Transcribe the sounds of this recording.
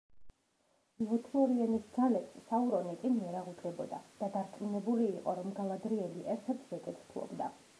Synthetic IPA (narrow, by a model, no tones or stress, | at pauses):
ɔt̪ʰiɔɾiɛnisd̪zalɛpssauɾɔnɛk̪ʼimiɛɾaʁud̪ɡɛbɔd̪a̰d̪̥ad̪aɾt̪ʼminɛbuliːqʼɔɾɔmɡalˠad̪ɾiɛliʔɛɾt̪ʰɛɾt̪ʰzɛk̪ʼɛt̪ʰt̪ʰuɔ̰bd̪a